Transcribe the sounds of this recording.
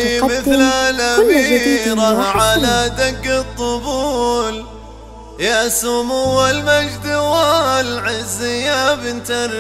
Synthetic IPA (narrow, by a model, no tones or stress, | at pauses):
mɪθlalabɾaʕalad̪aɡːɨt̪ˤːʊbuːl | jaʔsʊmʊwalmad͡ʒd̪ɪwalʕɪzːɪjabɪnt̪aɾ